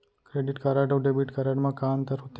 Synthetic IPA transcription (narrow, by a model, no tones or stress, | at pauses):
kɾeɖiʈkaɾaɖoːɖebiʈkaɾaɖmãkaːmt̪əɾɦut̪